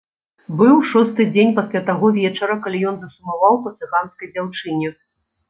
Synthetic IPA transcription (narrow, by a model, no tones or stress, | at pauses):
bɨwʂɔst̪ɨd͡zʲenʲpasʲlʲat̪aɣɔvʲɛt͡ʂɐɾɐkalʲijɔnzɐsumavawpɐt̪sɨɣanskɐjd͡zʲawt͡ʂɨnʲɛ